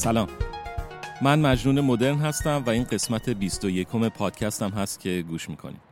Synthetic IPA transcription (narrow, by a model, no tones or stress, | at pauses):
sælɒːm | mænmæd͡ʒnuːne̞mo̞d̪e̞ɾnɦæst̪æmvæiːnɢe̞smæt̪ʰe̞bist̪o̞je̞kʰo̞me̞pʰɒːd̪̥̚cʰæst̪æmɦæst̪̚cʰe̞ɡuːʃmiːkʰo̞̰nḭm